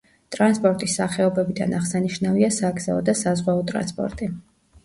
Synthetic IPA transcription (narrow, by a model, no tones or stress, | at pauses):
t̪ʼɾanspʼɔɾt̪ʼisːaχɛɔbɛbid̪a̰naʁsaniʃnaviasaːk̪z̥aɔd̪asazʁwɛɔt̪ʼɾa̰nspʼɔ̰ɾt̪ʼi